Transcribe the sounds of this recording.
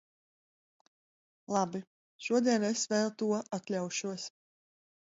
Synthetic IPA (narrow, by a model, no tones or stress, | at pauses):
lˠabi | ʃuɔd̪iɛnesvɛːlˠt̪uɔʔat̪lʲawʃuɔs